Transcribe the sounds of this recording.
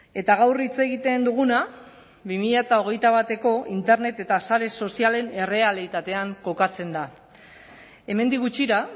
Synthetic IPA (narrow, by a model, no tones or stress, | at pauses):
e̞t̪aɣ̞awrit͡se̞ɣit̪e̞nd̪uɣ̞una | βimiʎat̪ao̞ɣ̞e̞jt̪aβ̞at̪e̞ko̞ʔint̪e̞ɾne̞t̪e̞t̪asaɾe̞so̞siale̞ne̞re̞alit̪at̪e̞aŋko̞kat͡se̞nd̪a | e̞me̞nd̪iɣut͡ʃiɾa